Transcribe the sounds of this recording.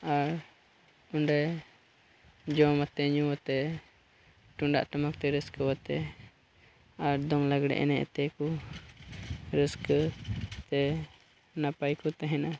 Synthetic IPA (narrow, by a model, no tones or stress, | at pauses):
aɾ | unɖɛ | d͡ʒɔmat̪ɛɲuwat̪ɛ | ʈuɳɖa̰ʔʈamak̚t̪ɛɾəskəwat̪ɛ | aɾd̪ɔŋlaɡɽɛ̰ʔɛ̰nɛ̰ʔt̪ɛku | ɾəskət̪ɛ | napajkɔt̪ɛɦɛna